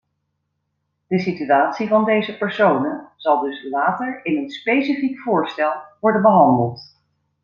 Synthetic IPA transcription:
d̥əsityaːtsivɑndejzəpɛɹsownəz̥ɑlˠdɵslaːtəɹɪnənspejsifikfʊːɹstɛlˠʋɔɹdənbəɦɑndəlˠt

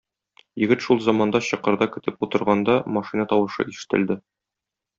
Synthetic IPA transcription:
jɘ̆ɡɘt̪ʃulˠzɑmɑnd̪ɑɕɤ̆qɤ̆ɾd̪ɑkɘ̆t̪ɘput̪ɤ̆ɾʁɑnd̪ɑmɒʃinɑt̪ɒwɤ̆ʃɤ̰ʔiʃɘ̥̆t̪ɘ̆ld̪ɘ

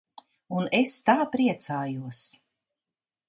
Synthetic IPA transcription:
unest̪aːpɾiɛt̪saːjuɔs

